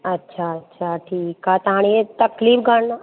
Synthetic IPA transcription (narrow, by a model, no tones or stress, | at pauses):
ɐtːʃʰaɐtːʃʰaʈʰiːkɦat̪ɐɦãñiet̪ɐkliːfɡə̃